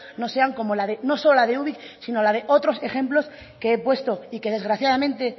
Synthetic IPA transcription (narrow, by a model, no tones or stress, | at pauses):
no̞se̞aŋko̞mo̞laðeno̞so̞lolaðeuβik | sino̞lað̞e̞ʔo̞t̪ɾo̞se̞xe̞mplo̞s | keepwe̞st̪o̞ike̞ð̞e̞zɣɾaθjaðamẽnt̪e̞